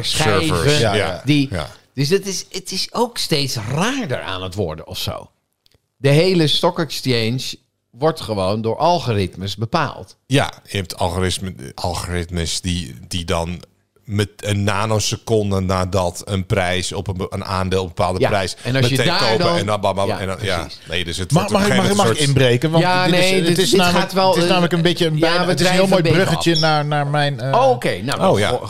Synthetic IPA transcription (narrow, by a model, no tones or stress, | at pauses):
søjəvəadia̰d̥øs̬dɔtɪsətɪsoːksteːtsraːɹdə̰ra̰ːnətʋɔɹdəɔfso̰ːw | dəɦejləstɔkɛkstejnʃ | ʋɔɹtχəʋoːndʊːɹʔalˠɣoːrɪtməsbəpa̰ːlˠtja̰jəɛp̚tʰɑ̰lˠɣorɪsɑ̰lˠɣorɪtməsdididɔn | məənːaːnɔsəkondənaːdɔtənprɛjsɔpəənaːndɪːlˠbəpʰaːlˠdəprɛjsɛɔməekoːəɛnɔbabaɛnja | neːdøsətmxmaxɪkɪnbreːkəʋanetɪsnamatʋɛlˠɪsnaːmələkənbɪtjəənətɪsɦɪəlˠmoːjbrøxəjənaɹnaɹmɛjnokeːnooːja̰